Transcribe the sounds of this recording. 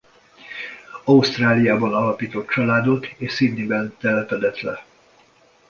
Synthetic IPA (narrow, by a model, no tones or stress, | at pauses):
ɒust̪raːlijaːbɒnɒlɒpiːt̪o̞t̪̚t͡ʃɒlaːd̪o̞t̪eːʃsinnːibɛnt̪ɛlɛpɛd̪ɛt̪lɛ̰